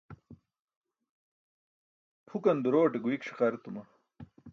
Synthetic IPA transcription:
pʰukɐnd̪uɾoːʈeɡuikʂi̥qɐɾt̪umɐ

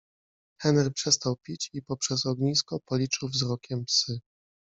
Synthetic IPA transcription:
xɛnɛɾpʂɛst̪awpʲit͡ɕipɔpʂɛsɔɡɲiskɔpɔlʲit͡ʂɘwvzɾɔkʲɛmpsɘ

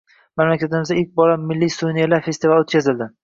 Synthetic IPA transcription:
manlakʲʰad̪ɪmɪzaɪk̚ʲbɒlamːɪlːijsunijalaɾfe̞st̪ɪvalot̪̚kʲʰazɪld̪ɪ

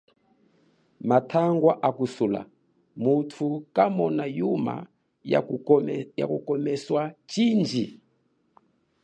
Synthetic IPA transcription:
matʰaŋɡwaʔakusula̰ | mutʰukamɔnajuma̰ | ja̰kukɔmɛswat͡ʃind͡ʒi

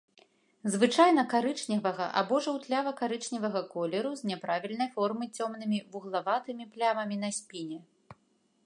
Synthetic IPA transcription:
zvɨt͡ʂajnɐkaɾɨt͡ʂnʲivɐɣɐʔa̰bɔʐɐwt̪lʲavɐkaɾɨt͡ʂnʲivɐɣɐkɔlʲɛɾuzʲnʲɛpɾavʲilʲn̪ɐjfɔrmɨt͡sʲɔmn̪ɨmʲivuɣlˠavat̪ɨmʲiplʲavɐmʲin̪ɐsʲpʲinʲɛ

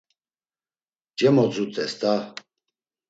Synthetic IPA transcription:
d͡ʒɛmɔt͡sʼut̪ʰʼɛst̪a

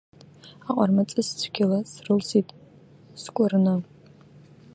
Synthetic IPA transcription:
aqʼarmat͡sʼɨst͡sʷʰɡʲɪlasrɨlsitʼ | skʷʼʊrɨnɨ

